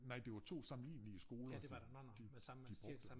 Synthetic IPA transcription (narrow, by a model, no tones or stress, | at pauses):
nɑ̈ɪ̰d̥e̝ʋɑ̈t͡sʰo̝̰ːsɑ̈mn̩lḭːnliəsɡ̥o̝ːlɐd | d̥i | d̥ib̥ʁɔɡ̥d̥